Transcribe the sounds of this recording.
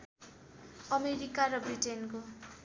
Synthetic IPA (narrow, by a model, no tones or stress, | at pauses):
ʌmeɾikaɾʌbriʈenko